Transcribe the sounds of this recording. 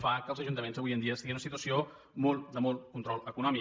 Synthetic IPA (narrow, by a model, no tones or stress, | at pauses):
fakəlˠzəʒunt̪əmenzəβujənd̪iəsiɣinunəsit̪uəsio | mɔlˠt̪d̪əmɔlˠkunt̪ɾɔlˠəkunɔmi